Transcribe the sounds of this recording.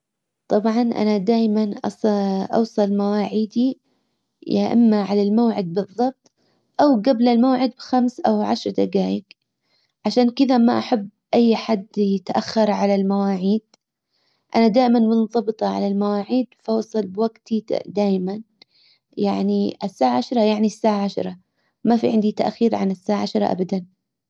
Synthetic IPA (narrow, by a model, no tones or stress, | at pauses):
t̪ˤɑbʕɑnʔa̰nad̪aːjmanʔɑ̰sˤʔɑ̰wsˤɑlmawaːʕiːd̪i | jaʔa̰mːaʕalalmawʕɪd̪̚bɨðˤːɑb̚t̪ˤ | ʔawɡablalmaːʕɪd̪̚bxamsʔawʕa̰ʃɾˤd̪aɡaːjɪk | ʕaʃaːnkɪðamaʔaħabːʔajːħad̪ːjɪt̪ʔaxːɑɾˤʕalalmawaːʕiːd̪̥ | ʔanad̪aːʔɪmanmʊnðˤɑbɨt̪ˤɑʕa̰lalmawaːʕiːd̪fawsˤɨlbɪwaɡt̪ʰid̪aːjman | jaʕniʔasːaːʕaʕaʃɾˤɑjaʕnisːaːʕaʕaʃɾˤɑ | mafiʕɪnd̪it̪a̰ʔxiːɾʕa̰nɪsːaːʕaʕaʃɾˤɑ̰ʔa̰bad̪an